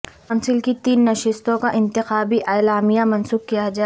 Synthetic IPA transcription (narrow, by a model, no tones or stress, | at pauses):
kɔːnsɪlkit̪iːnːɐʃɪst̪õkaʔɪ̃nt̪ɪxaːbiʔaːlaːmijamɐ̃nsuːk̚kːijad͡ʒaː